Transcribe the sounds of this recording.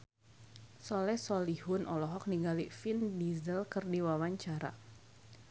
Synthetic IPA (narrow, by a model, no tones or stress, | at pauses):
sɔlɛsɔlihʊnʔɔlɔɦɔk̚niŋɡalifindizəlkɨrdiwawaɲt͡ʃaɾa̰